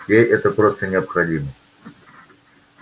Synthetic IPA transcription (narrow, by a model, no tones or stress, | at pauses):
jejʔɛt̪əpɾost̪ənʲɪɐpxɐdʲimə